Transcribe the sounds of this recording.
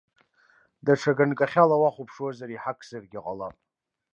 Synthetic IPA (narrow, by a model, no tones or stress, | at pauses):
daʈ͡ʂʰaɡankʼaχʲalawaχʷupʰʂwazaɾiħakʰzarɡʲɪqʼalapʼ